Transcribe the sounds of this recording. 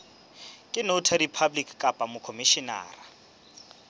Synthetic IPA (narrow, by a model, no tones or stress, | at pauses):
kʼɪnotʰadipʰablikʰʼkʼapʼamʊkʰomiʃina̰ːra